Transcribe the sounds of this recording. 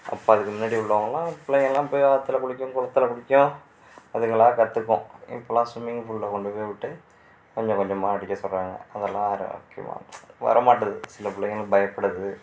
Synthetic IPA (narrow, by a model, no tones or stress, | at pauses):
ʔɐ̰pːoːɐðɯkːɯmʊnːaːɽiʊɭːɐʋɐŋɡɐɭlːãːpʊɭːɐjŋɛlːãːɪpːoːjʋaːɐt̪ːɪlɐkʊɽɪkʲːʊ̃kʊɭɐt̪ːɪlɐkʊɽɪkʲːʊ̃ | ɐðɯŋɡɐɭaːkɐt̪ːɯkːʊ̰̃ḭmpːlaːsumɪŋɡfʊɭːɐkɔɳɖɯpoːjʋɪʈːɯ | kɔɲd͡ʑɔ̃kɔlːɐmaːɐɽɪkʲːɐsɔlraːŋɡɐ̰ɐðɐlːã̰ːaːɾɐ̰o̰ːkːḛjma̰ːʋɐ̰ɾɐmaːʈːɐðɯsɪlɐpɪɭːɐjɪŋɐlbɐjɐpːɐɽɐðɯ